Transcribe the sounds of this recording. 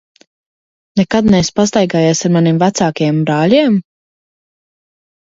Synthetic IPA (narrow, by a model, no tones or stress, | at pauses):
nɛkad̪nɛspas̬t̪ajɡaːjɛːsaɾmanimvæt̪saːkajɛmbɾaːlʲiɛm